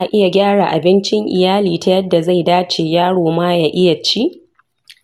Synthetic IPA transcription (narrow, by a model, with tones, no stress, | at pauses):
ʔa˨ʔɪ˦ja˨ɡʲaː˦ɽa˨ʔa̰˨bɪ˦nt͡ʃɪ˦ŋʔɪ̰˨jaː˦liː˨ta˨jɐ˦dːa˨za˦˨jdaː˦t͡ʃeː˨jaː˦ɽoː˨maː˦ja˨ʔɪ˦ja˨t͡ʃi˦ʔ